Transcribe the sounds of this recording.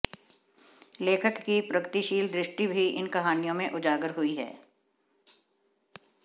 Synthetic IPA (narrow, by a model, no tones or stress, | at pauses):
leːkʰəkːipɾɐɡət̪iʃiːld̪ɾɪʃʈibʱiɪ̰nkɐɦaːnijõmẽʔʊd͡ʒaːɡəɾɦʊiɦɛ̰ː